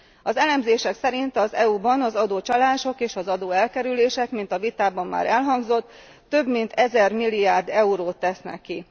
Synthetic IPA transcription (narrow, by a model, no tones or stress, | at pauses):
ɒzɛlɛmzeːʃɛksɛɾint̪ɒzɛubɒnɒzɒd̪oːt͡ʃɒlaːʃo̞keːʃɒzɒd̪oːɛlkɛɾyleːʃɛkmint̪ɒvit̪aːbɒmːa̰ːɾɛlɦɒŋɡzo̞t̪ː | ø̞bmint̪ʰɛzɛrmilːiaːrd̪ɛuɾoːt̪ːɛsnɛ̰kːi